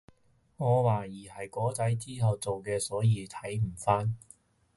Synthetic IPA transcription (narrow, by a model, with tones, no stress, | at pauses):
ŋɔː˨˧waː˨˩jiː˨˩hɐ˨jkɔː˨˥t͡sɐ˨˥jt͡siː˥ɦɐ˨wt͡so˨wkɛː˧sɔː˨˥jiː˨˧t̪ʰɐ˨˥jm̩˨˩faː˥n